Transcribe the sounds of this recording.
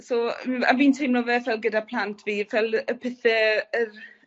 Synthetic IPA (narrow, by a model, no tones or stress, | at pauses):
soa̰miːntʰejmnɔvɛvɛlˠɡədapʰlˠantʰviːvɛlˠəpʰɪθɛər